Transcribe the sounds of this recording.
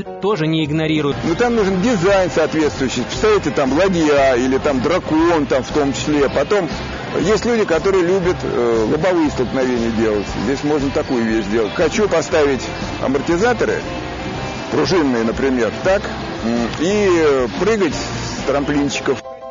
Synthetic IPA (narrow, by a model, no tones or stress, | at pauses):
t̪o̞ʐɨnʲɪɪɡnɐɾʲiɾʊjʊnot̪amnuʐɨndʲɪzajnsɐːt̪vʲe̞t̪st̪vʊjʏɕɪjpə̥st̪avʲɪtʲɪt̪amlˠɐdʲjailʲɪt̪amd̪ɾɐkont̪amft̪o̞mt͡ɕɪ̥sʲlʲepɐt̪o̞m | jesʲtʲlʲudʲɪkɐt̪o̞ɾɨjəlʲubʲət̪lˠʊbɐvɨjəst̪əlˠknɐvʲenʲɪjədʲe̞lˠətʲzdʲesʲmo̞ʐnət̪ɐkujʊvʲeɕzdʲe̞lˠətʲxɐt͡ɕupɐst̪avʲɪtʲ | ɐ̰mərtʲɪzat̪əɾɨ̰ | pɾʊʐɨnːɨjənəpɾʲɪmʲe̞rt̪ak | ipɾɨɡətʲst̪ɾɐmplʲint͡ɕːɪ̥kəf